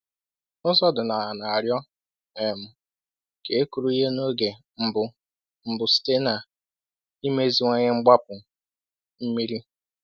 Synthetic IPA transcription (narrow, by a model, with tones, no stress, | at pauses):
ʊ˦zɔ˦dʊ˨na˨a˨na˨a˨ɾjɔ˦ | e˨mʊ˦ | ke˨e˦ku˨ɾu˦i˦ɦe˦no˦ɡe˨ | m̩˨bʊ˨ | m̩˨bʊ˨si̥˦te˦na˨ | i˦me˦zi˨ŋʷe˦ɲe˦ŋ͡m̩˦ɡ͡ba˦pʊ˨ | m̩˦mi˦ɾi˦